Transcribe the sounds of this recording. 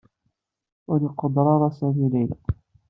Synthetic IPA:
walɪqʊd̪ɾˤɑɾˤɑsamilajla

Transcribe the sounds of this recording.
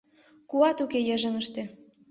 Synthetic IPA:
kuɑt̪ukejĕʒə̆ŋə̆ʃt̪ĕ

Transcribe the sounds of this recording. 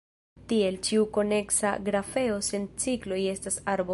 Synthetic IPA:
tie̞lt͡ʃiuko̞ne̞ksa̰ɡɾafe̞o̞se̞nt͡siklo̞je̞stasaɾbo

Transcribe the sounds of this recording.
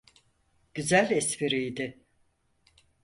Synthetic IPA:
ɟ̥yzælʲɛspiɾijd̪ɪ

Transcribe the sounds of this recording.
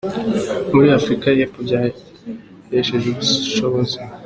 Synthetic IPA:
muɾiafɾikajepovja | jeʃezuβuʃoβozi

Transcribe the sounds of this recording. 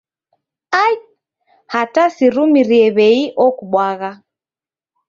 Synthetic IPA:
aj | hatasiɾumiɾiɛβɛiʔɔkuɓwaɣa

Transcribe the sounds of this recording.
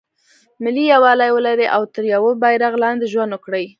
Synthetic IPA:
mɪlijawɑlajwəlaɾeʔawt̪əɾjawəbajɾaɣlɑnd̪eʒwand̪ʊkɽəj

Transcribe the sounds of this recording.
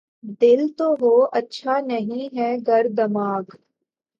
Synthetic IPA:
d̪ɪlt̪oɦoːɐtːʃʰanɐɦĩɦɛɡɐɾd̪ɐmaːɡ

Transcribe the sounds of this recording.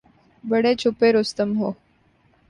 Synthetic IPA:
bəɽet͡ɕʰupeɾost̪əmɦo

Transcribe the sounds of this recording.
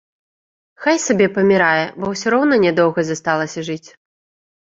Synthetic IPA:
xajsabʲɛpɐmʲiɾajɛbɔwsʲɔɾɔwnɐnʲɛd̪ɔwɣɐzast̪alˠɐsʲɐʐɨt͡sʲ

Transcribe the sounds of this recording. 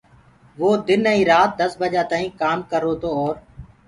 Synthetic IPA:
ʋoːd̪ɪnəːĩːɾaːt̪̚d̪əsbəd͡ʒaːt̪aːĩːkaːmkəɾoːt̪oːɔːɾ

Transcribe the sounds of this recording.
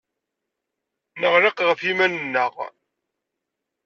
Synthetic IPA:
nəʁɾɑqʁəfimænənːəʁ

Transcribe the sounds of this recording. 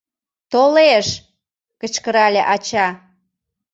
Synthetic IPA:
t̪oleʃ | kət͡ɕkəɾɑlʲeʔɑt͡ɕɑ

